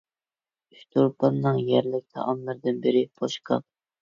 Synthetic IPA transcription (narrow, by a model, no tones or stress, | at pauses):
yʃt̪ʰoɾpʰɑnːɨŋjæɾlɪk̚ʲt̪ʰɑ̰ʔɑmlˠɨɾd̪ɨnbɪɾɪb̥oʃqʰɑ̰p̚